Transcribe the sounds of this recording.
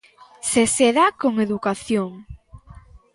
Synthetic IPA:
seseðakoŋeðukaθjoŋ

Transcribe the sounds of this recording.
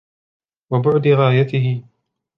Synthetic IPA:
wabʊʕd̪ɪɣaːjat̪ɪɦɪ

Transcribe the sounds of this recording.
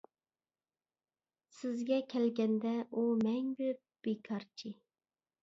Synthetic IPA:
sɪzɡʲɛkʲʰɛlɡʲɛnd̪ɛʔumɛŋbøp̚b̥ekʰɑɾt͡ʃʰi

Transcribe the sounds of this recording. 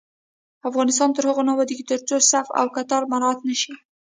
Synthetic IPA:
afɣɑnɪst̪ɑnt̪əɾhəɣonawad̪iɡit̪əɾt͡sosafa̰wkat̪ɑlmaɾɑat̪naʃi

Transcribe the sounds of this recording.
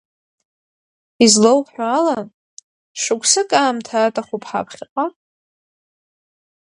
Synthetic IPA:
izlowpħʷᶣaːla | ʂɨkʷʰʼsɨkʼaːmtʰaːtʼaχʷupʰħa̰pʰχʲɪqʼa

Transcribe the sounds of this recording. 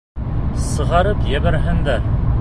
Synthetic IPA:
sɤ̆ʁɑɾɤpjæβæɾɦɘnd̪æɾ

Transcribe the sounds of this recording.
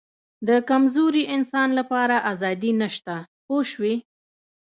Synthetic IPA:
d̪əkamzoɾiʔɪnsɑnlapɑɾaʔazɑd̪inaʃt̪a | poʃwi

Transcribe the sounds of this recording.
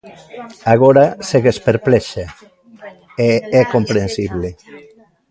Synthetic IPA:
aɣoɾaseɣespeɾpleʃe | eekompɾensiβli

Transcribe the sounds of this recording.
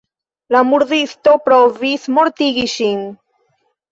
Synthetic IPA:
lamuɾðist̪o̞pɾovismoɾt̪iɡiʃin

